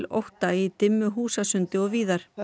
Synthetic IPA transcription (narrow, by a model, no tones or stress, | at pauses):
lo̰wht̪ait̪ɪmːʏɦuːsasʏnt̪ɪɔɣviːðaɾ̥